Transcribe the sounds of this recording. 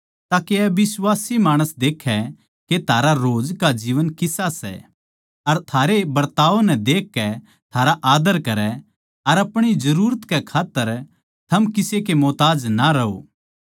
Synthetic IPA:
t̪aːkeɛbɪswaːsimaːɽ̃əsd̪eːkʰɛ | ket̪ʰaːɾaɾoːd͡ʒkad͡ʒiːʋənkɪsasɛ̰ | ɐɾt̪ʰaːɾebɐɾt̪aːʋonɛ̃d̪eːkːɛ | t̪ʰaːɾaʔaːd̪əɾkɐɾɛ | ɐɾɐpɽ̃id͡ʒɐɾuːɾət̪kɛkʰaːt̪ːəɾ | t̪ʰɐmkɪsekemɔːt̪aːd͡ʒnaɾɐo̰ː

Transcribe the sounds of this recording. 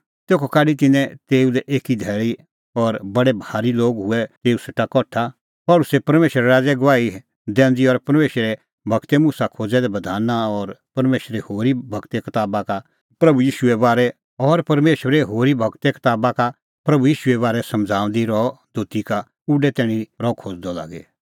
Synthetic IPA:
t̪eːkʰokaːɖit̪ɪnɛ̃t̪eːulɛʔeːkid̪ʱɛːɭi | ɔɾbɐɽɛbʱaːɾiloːɡɦʊɛt̪eːusɪʈakɔːʈʰa | pɔːlʊsepɐɾmeːʃəɾɛɾaːd͡ʒɛɡʋaːi | d̪ɛ̃ːnd͡ʒiɔɾpɐɾmeːʃɾɛ | bʱɐɡt̪ɛmʊsakʰoːd͡zɛd̪ɛbɐd̪ʱaːnaɔɾpɐɾmeːʃɾehoːɾibʱɐkt̪ekɐt̪aːbaka | pɾɐbujiːʃʊɛʋaːɾɛ | ɔɾpɐɾmeːʃəɾeɦoːɾibʱɐkt̪ekɐ̥t̪aːbaka | pɾɐbujiːʃʊɛʋaːɾɛsɐ̃md͡zʱaːʊ̃nd̪iɾɔd̪ʱoːt̪ika | ʊɖɛt̪ɛːɽ̃iɾɔːkʰoːd͡zd̪ɔla̰ːɡḛ

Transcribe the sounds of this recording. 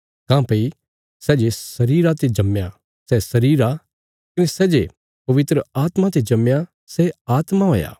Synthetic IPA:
kãːpɐi | sɛːd͡ʒesɐɾiːɾat̪ed͡ʒɐmja | sɛsɐɾiːɾa | kɪnesɛːd͡ʒe | pɐʋɪt̪ɾəaːt̪mat̪ed͡ʒɐmja | sɛaːt̪maɦo̰ːja̰ː

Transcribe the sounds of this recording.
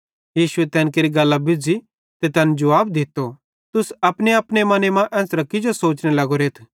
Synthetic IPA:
jiːʃʊet̪ɛ̃ːnkeːɾiɡɐlːabɪd͡zi | t̪et̪ɐnd͡ʒʊʋaːb̚d̪ɪt̪ːo | t̪ʊsɐpneɐpnemɐnemãʔɛ̃ːsɾɐkɪd͡ʒosoːt͡ʃnelɐɡoɾeːt̪ʰ

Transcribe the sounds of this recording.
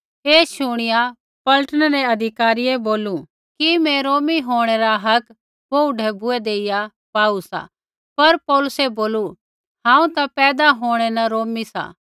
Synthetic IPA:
eːʃʊɽ̃ɪja | pɐlʈənəɾɛɐd̪ʱɪkaːɾijeboːlu | kimɛ̃ɾoːmiɦoːɽ̃ɛɾaɦɐk | boʊɖɛbʊɛd̪eːɪja | paːusa̰ | pɐɾpɔːlʊsɛboːlu | ɦãːũt̪apɛːd̪aɦoːɽ̃ɛnaɾoːmisa̰ː

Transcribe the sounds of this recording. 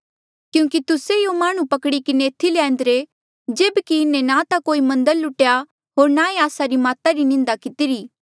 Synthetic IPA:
kjũːkit̪ʊsejomaːɽ̃ũpɐkɽikɪneːt̪ʰːilɛ̃ːn̆d̪ɾe | d͡ʒeːbkiɪnːẽnãt̪akoːimɐ̃nd̪əlːʊʈja | ɦoːɾnaẽaːsaɾimaːt̪aɾinɪ̃nd̪akɪt̪ɪɾiː

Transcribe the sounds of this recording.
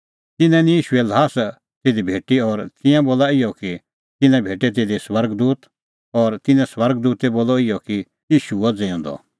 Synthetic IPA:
t̪ɪnɛ̃nĩjiːʃuɛlɦaːs | t̪eːd̪ibʱeːʈiɔːɾt̪ĩjãboːlaɪjɔki | t̪ɪnɛ̃bʱeːʈɛt̪̬eːd̪iswɐɾɡd̪uːt̪ | ɔɾt̪ɪnɛ̃sʋɐɾɡd̪uːt̪ɛboːlɔɪjɔki | jiːʃuɔd͡zẽːɔ̃nd̪ɔ̰

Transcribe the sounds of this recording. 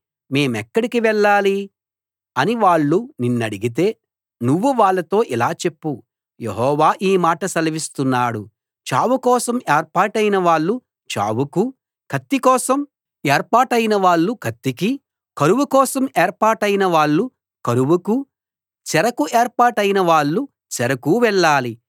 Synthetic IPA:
me̞ːmɛkːɐɽikiʋɛɭːaːli | ɐniʋaːɭːuninːɐɽiɡit̪̬e̞ː | nuʋːuʋaːɭːɐt̪o̞ːʔilaːt͡ʃe̞pːu | jḛɦɔːʋaːʔiːmaːʈɐsɐlɐʋist̪unːaːɽṵ | t͡ʃa̰ːwukɔːsɐmeːɾpaːʈɐjinɐʋaːɭːu | t͡ʃa̰ːwuku | kʰɐt̪ːikɔːsɐm | eːɾpaːʈɐjinɐʋaːɭːukʰɐt̪ːiki | kɐɾuʋukɔːsɐmeːɾpaːʈɐjinɐʋaːɭːu | kɐɾuʋuku | t͡ʃɛɾɐkueːɾpaːʈɐjinɐʋaːɭːu | t͡ʃɛɾɐkuːʋɛɭːaːli

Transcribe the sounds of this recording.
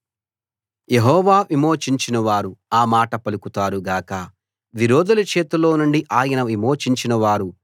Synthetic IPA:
jeɦɔːʋaːʋimoːt͡ʃiɲt͡ʃinɐʋaːɾuaːmaːʈɐpɐlukut̪aːɾuɡaːkɐ | ʋiɾoːd̪ɐlɐt͡ʃe̞ːt̪ulo̞ːnuɳɖiʔaːjɐnɐʋimoːt͡ʃiɲt͡ʃinɐʋaːɾu

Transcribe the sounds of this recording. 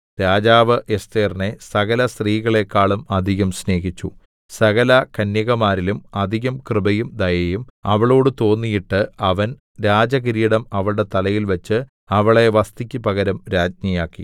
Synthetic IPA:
ɾaːd͡ʑaːʋɨʔest̪eːrnesɐɣɐlɐst̪riːɣɐɭe̞kːaːɭumɐd̪ʱiɣɐmsne̞ːɣit͡ɕːu | sɐɣɐlɐkɐnjɐɣɐmaːɾilumɐd̪ʱiɣɐmkrɨbɐjumd̪ɐjɐjumɐʋɐɭo̞ːɽɨt̪o̞ːnːijiʈːɨɐʋɐn | ɾaːd͡ʑɐɣiɾijiɽɐmɐʋɐɭɽe̞t̪ɐlɐjilʋɐt͡ɕːɨ | ɐʋɐɭe̞ʋɐst̪ikʲːɨpɐɣɐɾɐmɾaːd͡ʑɲijaːkːḭ

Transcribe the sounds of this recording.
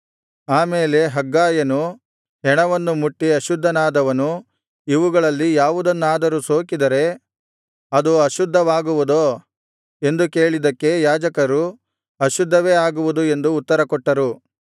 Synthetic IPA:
aːmeːle̞ɦɐɡːaːjɐnu | ɦɛɳɐʋɐnːumuʈːiɐʃud̪ʱːɐnaːd̪ɐʋɐnu | iʋuɡɐɭɐlːijaːʋud̪ɐnːaːd̪ɐɾusoːkid̪ɐɾe̞ | ɐd̪uɐʃud̪ʱːɐʋaːɡuʋud̪oː | e̞nd̪uke̞ːɭid̪ɐkːe̞jaːd͡ʒɐkɐɾu | ɐʃud̪ʱːɐʋe̞ːaːɡuʋud̪ue̞nd̪uːt̪ːɐɾɐkɔʈːɐɾu

